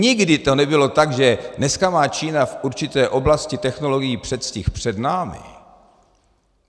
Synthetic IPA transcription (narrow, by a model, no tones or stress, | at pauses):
ɲɪɡdɪt̪o̞nɛbɪlo̞t̪aɡʒɛnɛskamaːt͡ʃiːnafʔuɾt͡ʃɪt̪ɛːʔo̞blascɪt̪ɛxno̞lo̞ɡɪjiːpr̝̥ɛt̪scɪxpr̝̥ɛdnaːmɪ̰